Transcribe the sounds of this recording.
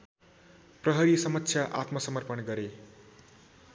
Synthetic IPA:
prʌɦʌɾisʌmʌtːsʰjaʔat̪mʌsʌmʌrpʌnɡʌɾe

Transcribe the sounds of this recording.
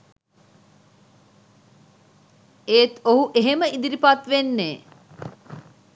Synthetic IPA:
eːt̪oɦuʔeɦeməʔid̪iɾipat̪ʋenːeː

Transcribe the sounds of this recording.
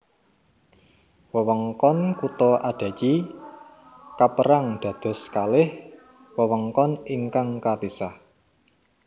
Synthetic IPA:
wəwɔŋkɔnkut̪ɔʔaɖ̪̥a̤t͡ʃi | kapəɾaŋd̪̥ä̤d̪̥ɔ̤skalɪh | wəwɔŋkɔniŋkaŋkab̥isah

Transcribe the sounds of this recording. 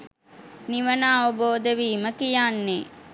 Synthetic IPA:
niʋənaːʋəboːd̪əʋiːməkijanːe

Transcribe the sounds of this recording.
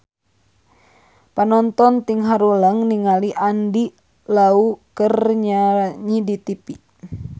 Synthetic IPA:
panɔnt̪ɔnt̪iŋɦaɾulaŋniŋaliʔandi | laukərɲaɲidit̪ipi

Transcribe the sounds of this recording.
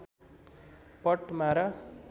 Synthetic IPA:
pʌʈmaɾʌ

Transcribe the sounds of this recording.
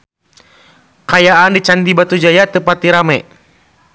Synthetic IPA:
kajaʔandit͡ʃand̪ibat̪ud͡ʒajat̪əpat̪iɾamɛ

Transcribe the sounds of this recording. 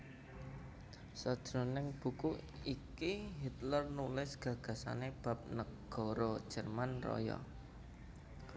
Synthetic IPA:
sɔd̥d̥ɾo̤nɪŋb̥ṳkuikiɦit̪lərnulɪsɡ̥ä̤ɡ̥ä̤sa̰neb̥ä̤p̚nəɡ̥ɔ̤ɾɔd̥ʒ̥ə̤rmanrɔ̰jɔ̰

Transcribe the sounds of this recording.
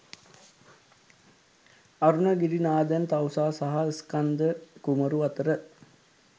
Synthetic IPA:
aɾunəɡiɾinaːd̪ænt̪awsaːsaɦaəskand̪əkuməɾuat̪əɾə

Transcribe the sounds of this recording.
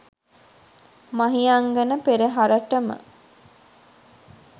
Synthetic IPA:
maɦijaŋɡənəpeɾeɦaɾəʈəmə̰

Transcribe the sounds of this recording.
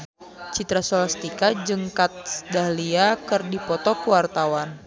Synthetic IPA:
t͡ʃit̪ɾasɔlast̪ikad͡ʒɨŋkat̪̚sdahliakɨrdipɔt̪ɔkuwart̪awan

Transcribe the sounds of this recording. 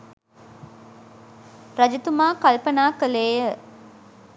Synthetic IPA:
ɾad͡ʒit̪umaːkalpənaːkəleːjə

